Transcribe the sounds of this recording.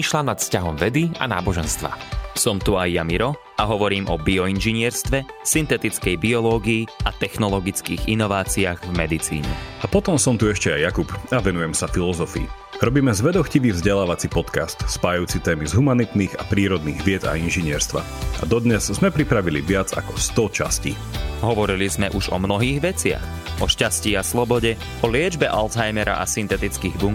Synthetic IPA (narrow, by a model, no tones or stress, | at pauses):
iʃlanat̪fscaɦɔmʋɛd̪ia̰na̰ːbɔʒɛnst̪ʋa̰sɔmt̪uajːamiɾɔ | aɦɔʋɔɾiːmʔɔbiɔinʒiɲɪɛɾst̪ʋɛsint̪ɛt̪it͡skɛjbiɔlɔːɡiiat̪ɛxnɔlɔɡit͡skiːɣinɔʋaːt͡siaːɣvmɛd̪it͡sḭːɲɛ̰apɔt̪ɔmsɔmt̪uɛʃcɛajːakupaʋɛnujɛmsafilɔzɔfḭː | ɾɔbiːmɛzʋɛd̪ɔxciʋiːvzɟɛlaːʋat͡sipɔt̪kast̪spaːjajuːt͡sit̪ɛːmizɦumanit̪niːɣapɾiːɾɔd̪niːɣʋɪɛd̪a̰inʒiɲɪɛɾst̪ʋa̰ | a̰d̪ɔd̪ɲɛzzmɛpɾipɾaʋilḭʋɪad͡za̰kɔ̥st̪ɔt͡ʃa̰scḭː | ɦɔʋɔɾilizmɛʔuʒɔmnɔɦiːɣʋɛt͡sɪa̰x | ɔʃcasciːaslɔbɔɟɛ | ɔlɪɛd͡ʒbɛʔalt̪ɦajmɛɾa̰ʔasint̪ɛt̪it͡skiːɣbuŋ